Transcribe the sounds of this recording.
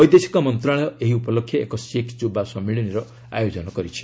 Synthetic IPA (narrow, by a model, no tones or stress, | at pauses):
ɔjd̪esi̥kɔmɔnt̪ɾaɭɔjɔʔeɦiupɔlokʰːjɔekɔsikʰd͡ʒubasɔmːiɭiniɾɔ | a̰jod͡ʒɔnɔkɔɾit͡ʃʰi̥